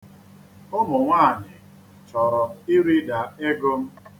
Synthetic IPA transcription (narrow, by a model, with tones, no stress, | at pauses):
o˦mʊ˨ŋʷaː˦˨nɪ˨ | t͡ʃɔ˨ɾɔ˨ɪ˦ɾi˦da˨e˦ɡo˦m̩˦